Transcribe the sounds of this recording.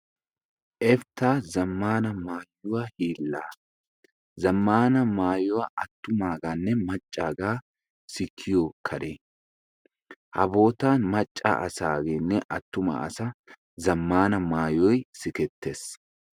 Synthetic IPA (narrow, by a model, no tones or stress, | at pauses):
ʔɛft̪aːzɐmːaːnɐmaːjːʊwahiːlːaː | zɐmːaːnɐmaːjʊwaʔɐt̪ːʊmaːɡaːnːɛmɐt͡ʃʼːaːɡaː | sɪkʰːɪjoːkʰɐɾeː | hɐ̰bo̞ːt̪aːnmɐt͡ʃʼːa̰ʔɐsaːɡeːnːɛʔɐt̪ːʊmɐ̰ɐ̰sɐ | zɐmːaːnɐmaːjɔjsɪkɛt̪ʰːeːs